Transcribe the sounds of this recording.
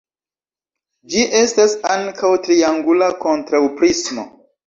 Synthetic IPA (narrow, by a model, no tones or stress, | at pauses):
d͡ʒiʔe̞stasaŋkʰawtɾiaŋɡulako̞ntɾawpɾismo̞̰